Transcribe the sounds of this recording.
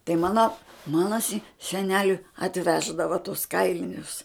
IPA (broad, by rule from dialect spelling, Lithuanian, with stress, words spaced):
tɐɪ ˈmɑːnɐ ˈmɑːnɐ sʲɪ sʲɛˈnʲæːlʲʊɪ ɐtʲˈʋʲæːʒdɐʋɐ tʊs ˈkɐɪlʲɪnʲʊs